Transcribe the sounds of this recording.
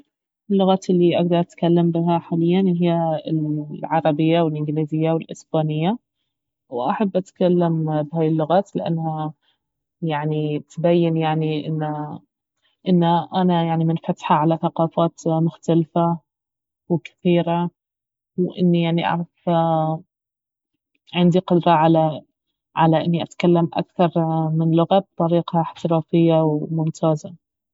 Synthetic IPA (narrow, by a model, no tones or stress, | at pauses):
ʔɪlːʊɣaːt̪ɪlːiʔaɡ̚d̪ɑɾˤʔat̪kalːambɪɦaħaːlɪjːanɦɪjːa | ʕɑɾˤɑbɪjːawɪlʔɪŋɡliːzɪjːawɪlʔɪ̰sbaːnɪjːa | wʔaħabːʔat̪kalːambɪɦaːjɪlːʊɣaːt̪lɪʔa̰nːha | jaʕnit̪bajːɪnjaʕniʔɪnːa | ʔɪnːaʔanajaʕnimɪnfat̪ħaʕalaθaqɑːfaːt̪mʊxt̪alfa | wkɪ̥θiːɾa | wʔɪ̰nːijaʕniʔɑ̰ʕɾˤɑf | ʕɪnd̪iqʊd̪ɾˤɑʕala | ʕalaʔɪnːiʔat̪kalːamʔa̰kθɑɾˤmɪnlʊɣab̚t̪ˤɑɾiːqhaɪħt̪ɪɾɑːfɪjːawmʊnt̪ʰaːza